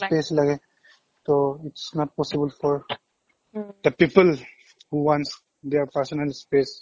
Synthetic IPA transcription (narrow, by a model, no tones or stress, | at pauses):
speslɐɡe | t̪oɪʈsnɔʈ̚pɔsɪbəlfɔɾ | d̪əpiːpəl | huwãns | d̪eɾpəɾsɔnəlspes